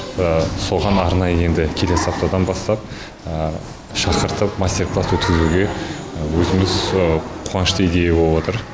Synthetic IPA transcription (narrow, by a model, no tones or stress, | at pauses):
əso̞ʁɑnɑɾnɑjəe̞nd̪ɪkʲʰe̞le̞sap̚t̪od̪ɑnbɑst̪ɑp̚ | ʃɑqəɾt̪əpmasʲt̪ʲe̞rplˠaswɵt̪kʲɪzuɡʲe̞ | wɵzɪmɪzqʰuʁɑnəʃt̪əijd̪e̞jebo̞lˠəbwo̞t̪əɾ